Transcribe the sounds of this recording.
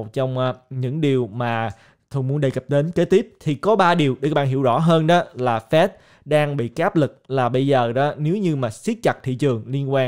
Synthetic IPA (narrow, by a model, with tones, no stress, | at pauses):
t̚t͡ɕɔ˧wŋ͡mʔːɲɨ̰˧˥ŋɗi˨˩əwmaː˨˩ | t̪ʰo˧mu˨˦ənɗə˧˩jkə˨˩p̚ɗe˨˦nke˨˦˥t̪i˦˥p̚t̪ʰi˨˩kɔ˨˦ɓaː˧ɗi˨˩əwɗe˧˦ka˦˥ɓaː˧˩ɦḭ˧˩əwzɔ̰˧˥ɦəː˧nɗɔ˨˦laː˨˩fɛ˦˥t̚ | ɗaː˧ŋɓḭ˧˨kaː˦˥p̚lɨ˨˩k̚laː˨˩ɓə˧jzəː˨˩ɗɔ˨˦ne˨˦wɲɨ˧maː˨˩si˦˥ət̚t͡ɕa˨˩t̚t̪ʰḭ˧˨t͡ɕɨ˨˩əŋli˧ənkwaː˧